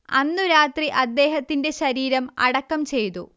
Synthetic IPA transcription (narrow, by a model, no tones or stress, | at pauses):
ɐnːuɾaːt̪riʔɐd̪ːe̞ːɦɐt̪ːinde̞ɕɐɾiːɾɐmɐ̰ɽɐkːɐmt͡ɕe̞jt̪ṵ